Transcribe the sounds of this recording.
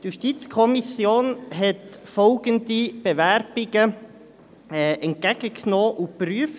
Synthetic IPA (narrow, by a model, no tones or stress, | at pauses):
tjuʃtit͡skʰɔmisjoːnɦɛtfɔlɡəndib̥evæɾb̥ɪɡə | ɛːʔɛnt̚kæɡ̥əkʰnoːʔupryəf